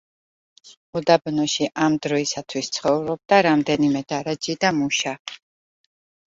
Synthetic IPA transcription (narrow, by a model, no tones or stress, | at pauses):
ud̪abnɔʃiʔamd̪ɾɔisat̪ʰwist̪sʰχɔvɾɔb̚d̪aɾamd̪ɛnimɛd̪aɾad͡ʒid̪amuʃa